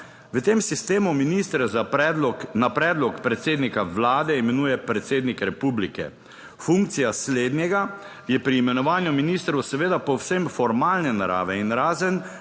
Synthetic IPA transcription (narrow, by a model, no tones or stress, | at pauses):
ʋət̪emsist̪eːmuminist̪ɾɛza | napɾɛːd̪lɔkpɾɛt̪seːd̪nikaʋlaːd̪ɛimɛnuːjɛpɾɛt̪seːd̪nikɾɛpublikɛ̰ | fuŋkt̪sijasleːd̪njɛɡa | jɛpɾiːmɛnɔʋaːnjuminist̪ɾɔwsɛʋeːd̪apɔwsemfɔɾmaːlnɛnaɾa̰ːʋɛinɾaːzən